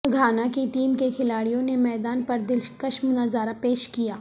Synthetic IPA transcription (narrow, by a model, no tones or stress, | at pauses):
ɡʱaːnakit̪iːmkekʰɪlaːɽijõnemɛːd̪aːnpɐɾd̪ɪlkɐʃmnɐzaːɾapeːʃkijaː